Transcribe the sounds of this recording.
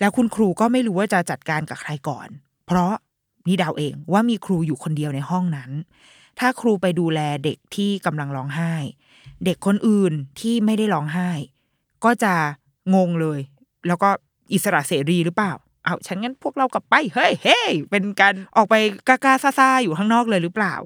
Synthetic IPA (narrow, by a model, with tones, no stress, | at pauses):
lɛː˦˥wkʰu˧nkʰɾuː˧kɔː˥˩ma˥˩jɾuː˦waː˥˩t͡ɕa˨˩t͡ɕa˨˩t̪̚kaː˧nka˨˩kʰɾa˧jkɔ̰ː˨˩n | pʰɾɔ˦˥ʔ | niː˧˩da˧˩wʔeː˧ŋwaː˥˩miː˧kʰɾuː˧juː˨˩kʰo˧ndi˧əwna˧jɦɔ˥˩ŋna˦˥n | t̪ʰaː˥˩kʰɾuː˧pa˧jduː˧lɛː˧de˨˩k̚t̪ʰiː˥˩ka˧mla˧ŋlɔː˦˥ŋɦaː˥˩j | de˨˩kʰːo˧nʔɯː˨˩nt̪ʰiː˥˩ma˥˩jda˥˩jlɔː˦˥ŋɦaː˥˩j | kɔː˥˩t͡ɕa˨˩ | ŋo˧ŋlɤː˧j | lɛː˦˥wkɔː˥˩ | ʔi˨t̪̚sa˧ɾa̰˨˩ʔseː˩˦ɾiː˧ɾɯː˦˥plaː˨˩w | ʔa˧˩wt͡ɕʰa˦˥nŋa˧˥npʰu˥˩ək̚ɾa˧wkla˨˩pːa˧jhɤ˦˥˩jhe˥˩pe˧nkaː˧nʔɔː˨˩k̚pa˧jkaː˧˩kaː˧˥˩saː˧˩saː˧˩juː˨˩kʰaː˥˩ŋnɔː˥˩k̚lɤː˧jɾɯː˦˥pla̰ː˨˩w